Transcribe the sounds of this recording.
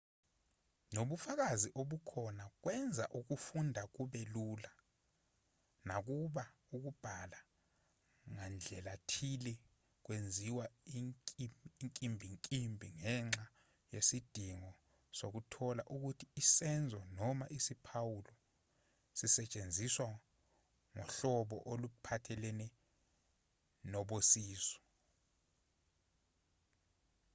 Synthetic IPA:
noɓufak̬aziʔoɓukʰɔnak̬wɛnd͡zʱaʔuk̬ufundʱak̬uɓɛluːla | nak̬uɓa | uk̬ub̥ʱala | ŋand͡ɮʱɛlatʰilɛ | k̬wend͡zʱiwa | ŋkʼimbʱiŋkʼimbʱiŋɛŋ͡ǁa | jesid̥ʱiŋɔ | sok̬utʰɔla̰ʔuk̬utʰiːsɛnd͡zʱɔnɔmaʔisipʰawulɔ | sisɛt͡ʃʼend͡zʱiswa | ŋɔ̰ɬɔɓɔ̰ʔolupʰatʰɛlɛnɛ | nɔɓosiːsɔ̥

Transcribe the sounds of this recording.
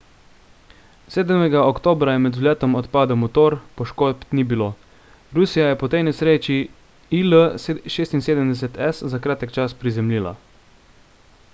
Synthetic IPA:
seːd̪mɛɡaokt̪oːbɾajɛmɛd̪zulʲjɛːt̪ɔmɔt̪paːd̪ɔmut̪oːɾpɔʃkoːpt̪nibiloː | ɾusijajɛpɔt̪ejnɛsɾeːt͡ʃi | iləʃeːst̪inseːd̪əmd̪ɛs̬ɛt̪ɛszakɾaːt̪əkt͡ʃaspɾizɛmliːla̰

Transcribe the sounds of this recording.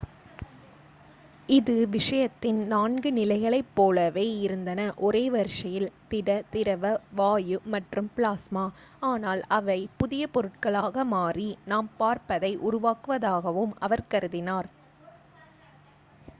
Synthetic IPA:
ɪðɯʋɪʂɐjɐt̪ːɪnnaːnɡɯnɪlɐɪɣɐɭɐɪpːoːlɐʋeːɪɾɯnd̪ɐnɐʔɔɾeːʋɐɾʂɐjɪlt̪ɪɽɐt̪ɪɾɐʋɐʋaːjɯmɐʈrɯmpɭaːsmaː | aːnaːlɐʋɐɪpʊðɪjɐpɔɾɯʈ̚kɐɭaːɣɐmaːrinaːmpaːɾpɐðɐɪʔʊɾʊʋaːkɯʋɐðaːɣɐʋɯmʔɐʋɐɾkɐɾɯðɪnaːɾ

